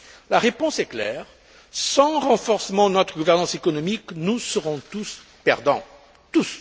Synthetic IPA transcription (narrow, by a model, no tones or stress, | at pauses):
laʁepɔ̃sɛklɛ̰ʁ | sɑ̃ʁɑ̃fɔʁsəmɑ̃d̪ənɔt̪χəɡuvɛʁnɑ̃sekɔnɔmiknusəʁɔ̃t̪us | pɛʁd̪ɑ̃ | t̪us